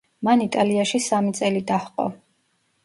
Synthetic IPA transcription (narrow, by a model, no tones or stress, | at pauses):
manit̪ʼaliaʃisamit̪sʼɛlid̪ahqʼɔ̰